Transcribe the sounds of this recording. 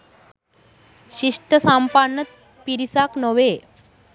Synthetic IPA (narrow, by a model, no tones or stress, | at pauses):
ɕiʂʈəsampanːət̪̚ | piɾisaknəʋe